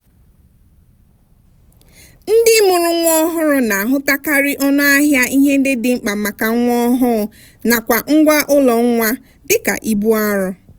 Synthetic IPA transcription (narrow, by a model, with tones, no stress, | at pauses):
n̩˦dɪ˦mʊ˨ɾʊ˦ŋʷɔ˦ɦʊ˦ɾʊ˦na˨a˨ɦʊ˦ta˦ka˦ɾɪ˦ʔɔ˦na˦a˦ɦja˦ʔi˦ɦe˦dɪ˦dɪ˨ŋ͡m̩˨k͡pa˨ma˨ka˨˦ŋʷɔ˦ɦʊ˦˨ | na˨kʷa˨ŋ̩˦ɡʷa˦ʔʊ˦lɔ˨ŋ̩˦ŋʷa˦ | dɪ˦ka̰˨ʔi˦bu˦a˦ɾʊ˦